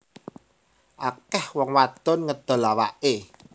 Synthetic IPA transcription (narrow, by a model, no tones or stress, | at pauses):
ʔakɛhwɔŋwat̪ʊnŋəd̪̥ɔ̤lawaʔe